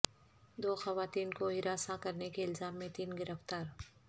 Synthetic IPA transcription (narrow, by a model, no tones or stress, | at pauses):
d̪oːxɐʋaːt̪iːnkoɦɪɾaːsãkɐɾnekeɪlzaːmːẽt̪iːnɡɪɾəft̪aːɾ